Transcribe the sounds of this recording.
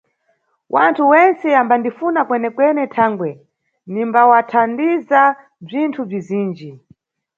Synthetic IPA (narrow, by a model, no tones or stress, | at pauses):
wʔantʰuwɛnt͡sɛambandifunakwɛnɛkwɛnɛtʰaːŋɡwɛ | nimbawatʰandiza | b͡ʐintʰub͡ʐiziːnd͡ʒi